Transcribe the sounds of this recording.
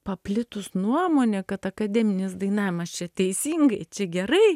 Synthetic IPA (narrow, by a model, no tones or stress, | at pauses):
pɐpʲlʲɪt̪ʊsnuɔmoːnʲɛkɐt̪ɐkɐd̪ʲæːmʲɪnʲɪsd̪ɐɪnɑːʋʲɪmɐst͡ʃʲɛt̪ʲɛɪsʲiːŋɡɐɪt͡ʃʲɛɡʲɛɾɐɪ